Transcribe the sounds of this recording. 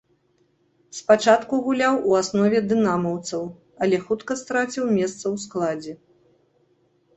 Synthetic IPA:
spat͡ʂat̪kuɣulʲawuasnɔvʲɛd̪ɨnamɐwt̪sɐw | ɐlʲɛxut̪kɐst̪ɾat͡sʲiwmʲɛst̪sɐwsklˠad͡zʲɛ

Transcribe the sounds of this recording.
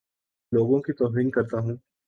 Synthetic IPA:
loːɡõkit̪ɔːfɾiːŋkɐɾt̪aɦũː

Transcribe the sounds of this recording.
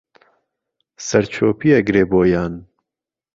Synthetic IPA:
sɐɾt͡ʃʰoːpiɐɡɾeːboːjaːn

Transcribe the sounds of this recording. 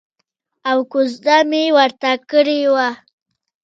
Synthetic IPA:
awkʊzd̪amewaɾt̪akəɽewa

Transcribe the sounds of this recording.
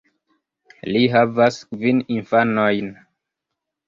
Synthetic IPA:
liɦavaskvininfanojn

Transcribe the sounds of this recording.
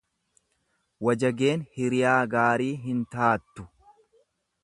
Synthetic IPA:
wɐd͡ʒɐɡe̞ːnhɪɾɪjaːɡaːɾiːɦɪnt̪aːt̪ːʊ̥

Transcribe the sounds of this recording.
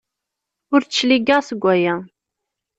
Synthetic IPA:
ʊɾt͡ʃːliɡæʁsəɡʷːæjæ

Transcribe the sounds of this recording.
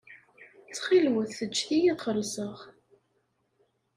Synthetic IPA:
t͡sːχilwəθːət͡ʃːθijiəɾsəʁ

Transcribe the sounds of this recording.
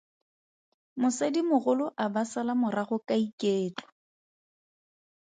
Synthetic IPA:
mʊsadimʊɣʊlʊʔabasalamʊraɣʊkʼaikʼeːt͡ɬɔ̥

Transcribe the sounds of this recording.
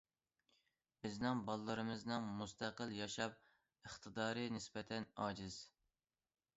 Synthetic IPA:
b̥ɪznɪŋbɑlˠlːˠɨɾɨmɨznɨŋmust̪ʰæqəlˠjɑʃɑp̚ | əχt̪ʰɨd̪ɑːɾɨnɪsbɛt̪ʰɛnɑːd͡ʒɪz̥

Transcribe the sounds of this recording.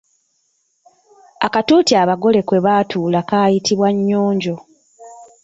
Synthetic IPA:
a̰katuːtiaβaɡo̞le̞kwe̞βaːtʰuːlakaːjitʰiβwaɲːoːɲɟo̞

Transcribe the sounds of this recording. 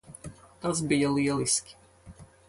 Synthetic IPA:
t̪azbijɛliɛliskʲi̥

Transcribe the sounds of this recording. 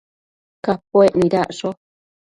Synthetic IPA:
kapoeʔnĩɾaʔʂo

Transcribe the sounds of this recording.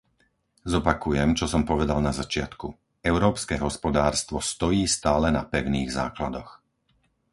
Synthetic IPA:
zɔpakujɛmt͡ʃɔsɔmpɔʋɛd̪alnazat͡ʃɪat̪ku | ɛʊɾɔːpskɛɦɔspɔd̪aːɾst̪ʋɔst̪ɔjiːst̪aːlɛnapɛʊniːɣza̰ːklad̪ɔx

